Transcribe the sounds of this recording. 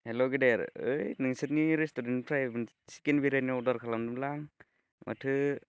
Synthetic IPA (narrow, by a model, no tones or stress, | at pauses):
heloɡedeɾɯjnɯŋsɯt̪̚niɾestudenpʰɾajbn | si̥kenbiɾaniɔɾdaɾkʰalamdɯmlaŋ | mʔa̰tʰɯ